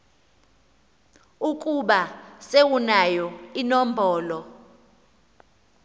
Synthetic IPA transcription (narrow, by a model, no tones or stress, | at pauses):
ukʼuɓasewunajɔinɔm̩bʱɔːlɔ